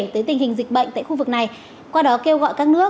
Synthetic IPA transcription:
t̪əː˨˦jt̪ï˨˩ŋ̟hï˨˩ŋ̟zi̟˨˩ɓə̰˧˨ŋt̪a̰ː˧˨xu˧vɨ˨˩k̚na˨˩j | kwaː˧ɗɔ˨˦ke˧wɣɔ̰˧˨jkaː˦˥k̚nɨ̰˦˥ə

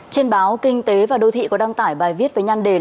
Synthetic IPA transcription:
t͡ɕe˧nɓaː˨˦wkï˧ŋ̟t̪e˨˦vaː˨˩ɗo˧t̪ʰḭ˧˨kɔ˨˦ɗa˧ŋt̪aː˧˩jɓaː˨˩jvi˦˥ət̚vəː˨˦jɲa˧ŋɗe˧˩

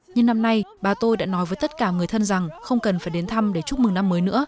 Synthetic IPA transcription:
ɲɨ˧ŋna˧mna˧jɓaː˨˩t̪o˧jɗa̰ː˧˥nɔ˨˦jvəː˨˦jt̪ə˦˥t̚kaː˧˩ŋɨ˨˩əjt̪ʰə˧nza˨˩ŋxə˧wŋ͡mkə˨˩nfaː˧˩jɗe˨˦nt̪ʰa˧mɗe˧˩t͡ɕʊ˦˥mɨ˨˩na˧mːəː˨˦jnɨ̰˧˥ə

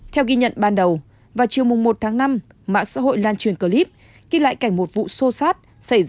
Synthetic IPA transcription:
t̪ʰɛ˧wɣi˧ɲə̰˧˨nɓaː˧nɗə˨˩w | vaː˨˩wt͡ɕi˨˩əwmʊ˨˩ŋ͡mmo˨˩t̚t̪ʰaː˨˦ŋna˧m | ma̰ː˧˥sa̰ː˧˥ɦo̰˧˨jlaː˧nt͡ɕwi˨˩ənkəː˧˩li˦˥p̚ | ɣi˧la̰ː˧˨jka˧˩ŋ̟mo˨˩t̚vṵ˧˨so˧saː˦˥t̚ | sa˧˩jz

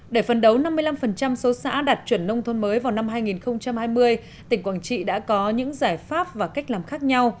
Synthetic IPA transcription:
ɗe˧˩fə˨˩nɗə˨˦wna˧mːɨ˧əjla˧mfə˨˩nt͡ɕa˧mso˨˦sa̰ː˧˥ɗaː˨˩t̚t͡ɕwi˧˩ənːə˧wŋ͡mt̪ʰo˧nməː˨˦jvaː˨˩wna˧mɦaː˧jŋi˨˩nxə˧wŋ͡mt͡ɕa˧mhaː˧jmɨ˧əj | t̪ï˧˩ŋ̟kwaː˧˩nt͡ɕḭ˧˨ɗa̰ː˧˥kɔ˨˦ɲɨ̰˧˥ŋzaː˧˩jfaː˦˥p̚vaː˨˩ka˦˥jk̟̚laː˨˩mxaː˦˥k̚ɲa˧w

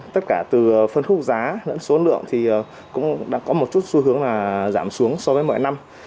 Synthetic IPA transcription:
t̪ə˦˥t̚kaː˧˩t̪ɨ˨˩ə˨˩fə˧nxʊ˦˥k͡p̚zaː˨˦nə̰˧˥nso˨˦nlɨ̰˧˨əŋt̪ʰi˨˩ʔəː˨˩ | kʊ̰˧˥ŋ͡mɗa̰ː˧˥kɔ˨˦mo˨˩t̚t͡ɕu˦˥t̚su˧ɦɨ˨˦əŋlaː˨˩zaː˧˩msu˨˦əŋsɔ˧vəː˨˦jmɔ̰˧˨jna˧m

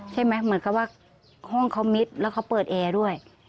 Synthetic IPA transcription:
t͡ɕʰa˧˥˩ma˦˥mɯ˨˩˦ə˦nka˧˩p̚waː˧˥˩ | hɔ˥˩ŋkʰa˨˦˥wmi˦˥t̪̚lɛː˦˧˩wkʰa˧˥wpɤː˨˩t̪̚ʔɛː˨˩du˥˩əj

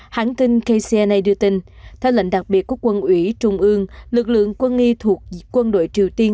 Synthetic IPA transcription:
haː˨˦nt̪i˧ŋkə˧jsɛ˧na˧jɗɨ˧ət̪i˧ŋ̟ | t̪ʰɛ˧wlə̰˧˨jŋ̟ɗa˨˩k̚ɓi˨˩ət̚ku˦əkwə˧nʔwi˨˦t͡ɕʊ˧ŋ͡mʔɨ˧əŋlɨ˨˩k̚lɨ̰˧˨əŋkwə˧nŋi˧t̪ʰu˨˩ək̚kːwə˧nɗo̰˧˨jt͡ɕi˨˩əwt̪i˧ən

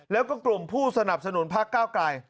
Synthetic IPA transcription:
lɛː˦˥wkɔː˥˩klu˨˩mpʰuː˥˩sa˧na˨˩p̚sa˧nu˨˩˦npʰaː˥˩kːaː˥˩wklaː˧j

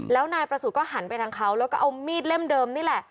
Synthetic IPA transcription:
lɛː˦˥wnaː˧jpɾa˧su˨˩kɔː˥˩ɦa˩˦npa˧jt̪ʰa˧˥ŋkʰa˦˥wlɛː˦˥wkɔː˥˩ʔa˧wmiː˥˩t̪̚le˥˩mdɤː˧mniː˥˩lɛ˨˩ʔ

